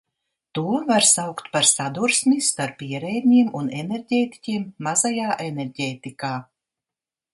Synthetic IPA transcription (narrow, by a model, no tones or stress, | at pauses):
t̪uɔvaɾsawkt̪paɾsad̪uɾsmist̪aɾpiɛɾɛjd̪ʲɲiɛmuneneɾɟʲeːt̪i̥cʲiɛmːazajaːʔeneɾɟʲeːt̪ikaː